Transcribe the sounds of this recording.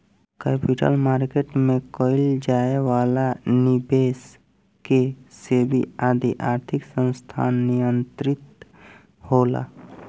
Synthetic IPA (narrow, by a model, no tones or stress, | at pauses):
kɛːpɪʈə̰lmaːɾkeːʈmẽkɔːɪld͡ʒaːewaːlanɪbeːs | kesebʱḭaːd̪ʱiʔaːɾt̪ʰɪksə̃nst̪ʰa̰ːnːijənt̪ɾɪt̪ | hoːla̰ː